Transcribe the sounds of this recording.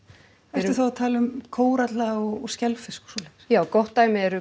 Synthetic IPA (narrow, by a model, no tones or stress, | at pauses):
ɛ̥t̪ɪθawat̪ʰaːlʏmkʰoːwɾat̪laɣɔɣɔɣscɛlfɪskɔ̥swɔlɛxsjaːwkɔht̪ːaːjmɪɛɾʏ